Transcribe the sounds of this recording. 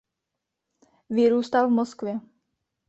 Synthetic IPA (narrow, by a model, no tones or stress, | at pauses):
vɪɾuːst̪alvmoskvjɛ